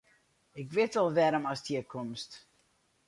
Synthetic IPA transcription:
ɪkʋɪtɔlˠʋɛɾəmɔsdiəkʰomst

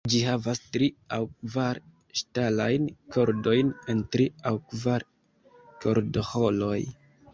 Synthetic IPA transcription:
d͡ʒiɦavastɾiawkvaɾ | ʃtalajnkʰo̞ɾdo̞jne̞ntɾiawkvaɾ | kʰo̞ɾdo̞ho̞lo̞j

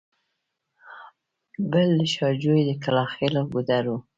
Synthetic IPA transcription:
bəld̪əʃɑd͡ʒojed̪əkalɑxeloɡud̪aɾu

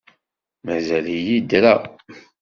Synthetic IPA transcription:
mæzælijid̪ɾæ

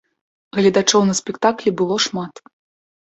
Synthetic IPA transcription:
ɣlʲɐd̪at͡ʂɔwnɐsʲpʲɛkt̪aklʲibɨlˠɔʂmat̪

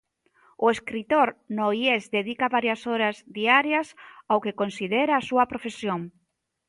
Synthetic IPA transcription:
ʊeskɾit̪oɾnoiezd̪eðikɐβaɾjɐsoɾɐzðiaɾjɐsawkekonsið̞eɾaːsuɐpɾofesjoŋ

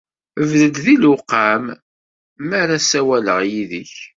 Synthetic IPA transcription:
əvðəd̪ðiluqːamː | æɾasæwæləʁjiðəç

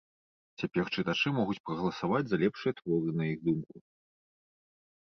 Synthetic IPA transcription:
t͡sʲapʲɛrt͡ʂɨt̪at͡ʂɨmɔɣut͡sʲpɾɐɣɐlˠɐsavad͡zʲzɐlʲɛpʂɨjɐt̪vɔɾɨnɐjiɣd̪umku

